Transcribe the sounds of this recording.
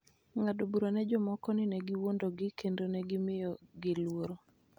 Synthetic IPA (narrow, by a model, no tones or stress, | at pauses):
ŋadobuɾanɛd͡ʒɔmɔkɔnɪnɛɡɪwondoɡɪkendonɛɡɪmɪjɔɡɪlwoɾo